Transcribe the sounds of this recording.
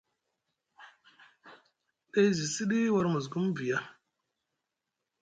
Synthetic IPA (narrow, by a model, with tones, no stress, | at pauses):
ɗe˦jzi˨si˦ɗi˦wa˦ɾmu˨z̬ɡu˦mvi˨ja˦